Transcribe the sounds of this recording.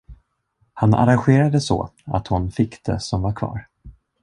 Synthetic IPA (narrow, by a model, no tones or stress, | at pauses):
hana̰ɾanɧeːɾad̪əsɔ̰a̰t̪hʊnfɪkːd̪̥ɛ̰sɔmvaɾkʰvɑ̰ːɾ